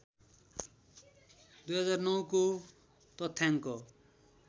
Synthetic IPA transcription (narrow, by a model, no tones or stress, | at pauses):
d̪ujɦʌd͡zarnʌwko | t̪ʌt̪ʰːjaŋkʌ